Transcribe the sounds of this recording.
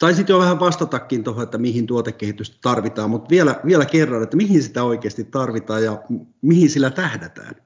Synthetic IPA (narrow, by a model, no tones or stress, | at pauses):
t̪ɑisit̪joʋæhæʋʋɑst̪ɑt̪ɑkːint̪ohoet̪ːæmihint̪uot̪ekkehit̪yst̪t̪ɑrʋit̪ɑːmmut̪ʋielæʋielækerːɑnet̪ːæmihinsi̥t̪æoikeːst̪it̪t̪ːɑrʋit̪ɑːjjɑmihinsilːæt̪æhdet̪æ̰ːn